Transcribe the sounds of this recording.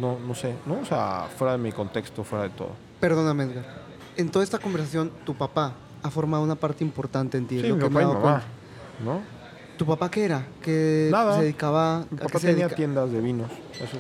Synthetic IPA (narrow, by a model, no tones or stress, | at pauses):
nonosenoːsea̰fwe̞ɾaðemiko̞nt̪e̞kst̪ofwe̞ɾaðet̪o̰ðo | pe̞ɾðo̞namezɣaɾ | ent̪o̞ðaest̪ako̞mbeɾs̬asjo̞nt̪upapa | afo̞ɾmaðunapaɾt̪eimpo̞ɾt̪ant̪e̞ːnt̪ieokemaamama | no | t̪upapakeeɾakenaðaseðeðikaβamiapakaseeeiat̪jend̪azðeβinos | eso